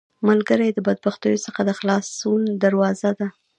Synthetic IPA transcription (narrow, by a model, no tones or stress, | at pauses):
malɡəɾajd̪əbad̪̚baxt̪əjosəxad̪əxlɑsund̪aɾwɑzad̪a